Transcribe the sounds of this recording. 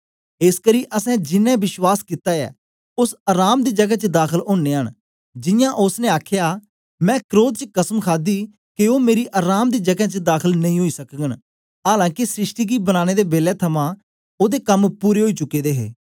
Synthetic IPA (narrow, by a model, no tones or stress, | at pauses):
ɪskəɾiːʔəsɛ̃ːd͡ʒɪnːɛ̃ːbɪʃwaːskit̪aːɛ̰ː | ʊsaːɾaːmd̪iːd͡ʒəɡɛːt͡ʃəd̪aːkʰəlɦoːnːeːɦən | d͡ʒɪjãːʔʊsnẽːaːkʰjaː | mɛ̃ːkɾoːt̪̚t͡ʃəkəsəmkʰaːd̪iː | kɪoːmeːɾiːʔaːɾaːmd̪iːd͡ʒəɡɛ̃ːt͡ʃəd̪aːkʰəlnəɦĩːɦoːiːsəkɡən | ɦaːlãːkisɾɪʃʈiːɡiːbənaːñeːd̪eːbeːlɛːt̪ʰəmãː | oːd̪eːkəmpuːɾeːɦoiːt͡ʃʊkːeːd̪eːɦḛː